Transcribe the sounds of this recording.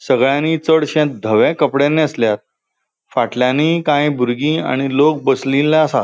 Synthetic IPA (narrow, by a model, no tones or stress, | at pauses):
səɡɭjãniːt͡səɽɕɛ̃t̪̚d̪ʱəʋɛ̃kəpɽenːẽəsljat̪̚ | faʈljãniːkãjbʱuɾɡĩːa̰ɽ̃ilok̚bəslilːaəsa